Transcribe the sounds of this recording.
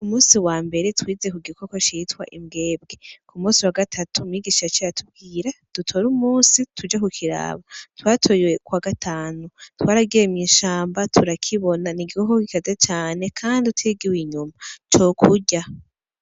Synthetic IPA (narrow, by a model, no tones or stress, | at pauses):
umuːsiwaːmbe̞ɾetwiːze̞kuɡikokot͡ʃitwa̰ʔimɡe̞ːb̚ɡe̞kumuːsiwaɡatʰatumŋiːɡiːʃat͡ʃiɾatʰub̚ɡiːɾad̥utʰo̞ɾumuːsitʰud͡ʒakukʰiɾa̰βatwaːtʰoːjwe̞kwaɡatʰaːnutwaːɾaɡijemɲiːʃaːmbatʰuɾakʰiβo̞naniɡikokokikazet͡ʃaːne̞kʰaːnditwiɡiwiɲumat͡ʃo̞kʰuɟa